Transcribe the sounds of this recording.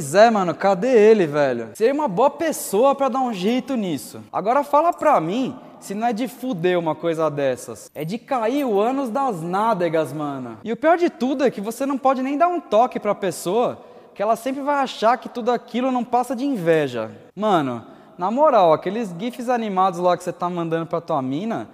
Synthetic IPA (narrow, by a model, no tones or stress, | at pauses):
ojzɛmɐ̃nʊkad̪eelɪvɛʎʊ̰seɾũmɐboɐpesoɐpɾɐd̪aũʒejt̪ʊnisʊ̰a̰ɡɔɾɐfalɐpɾɐmĩ | sɪnɐ̃w̃ɛd͡ʒɪfud̪eũmɐkojzɐd̪ɛsɐ̰sɛd͡ʒɪkaiɾʊɐ̃nʊzd̪ɐznad̪eɡɐzmɐ̃nʊ̰ɪʊpiɔɾd͡ʒɪt̪ud̪ʊɛkɪvosenɐ̃w̃pɔd͡ʒɪnẽj̃d̪aɾũt̪ɔkɪpɾɐpesoɐ | kɪɛlɐsẽmpɾɪvajaʃaɾkɪt̪ud̪ʊakilʊnɐ̃w̃pasɐd͡ʒɪĩvɛʒɐ̰ | mɐ̃nʊ̰ | nɐmoɾawakelɪzɡifɪzanimad̪ʊzlakɪ̥set̪amɐ̃nd̪ɐ̃nd̪ʊpɾɐt̪uɐmĩnɐ̰